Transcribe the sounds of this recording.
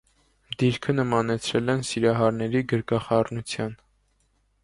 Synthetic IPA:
d̪iɾkʰənəmɑnɛt͡sʰɾɛlɛnsiɾɑɦɑɾnɛɾiɡəɾɡɑχɑrnut͡sʰjɑn

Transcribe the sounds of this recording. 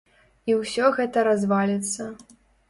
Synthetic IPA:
iwsʲɔɣɛt̪ɐɾazvalʲɛt̪sːɐ

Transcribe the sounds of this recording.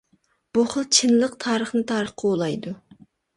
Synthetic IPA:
b̥uχəlˠt͡ʃʰɨnlˠəqt̪ʰɑːɾəχnɨt̪ʰɑːɾəχqʰɑolˠɑjd̪u

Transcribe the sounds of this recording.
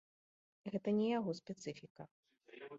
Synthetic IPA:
ɣɛt̪ɐnʲɛjaɣɔspʲɛt̪sɨfʲikɐ

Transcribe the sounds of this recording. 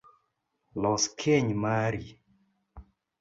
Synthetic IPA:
lɔskʰeɲmaɾi

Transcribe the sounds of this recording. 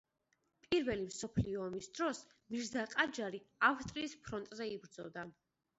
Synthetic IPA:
pʼiɾvɛlimsɔpʰliɔːmisd̪̥ɾɔs | miɾzaqʼad͡ʒaɾiafst̪ʼɾiːspʰɾɔnt̪ʼzɛibɾd̪zɔd̪a

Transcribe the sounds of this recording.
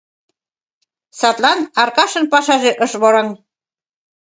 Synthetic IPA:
sɑt̪lɑnɑrkɑʃɤ̆npɑʃɑʒeʔəʃβoɾɑŋ

